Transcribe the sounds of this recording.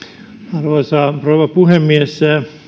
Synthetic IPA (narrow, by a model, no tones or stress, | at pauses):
ɑrʋoisɑproːʋɑpuhemːiesæ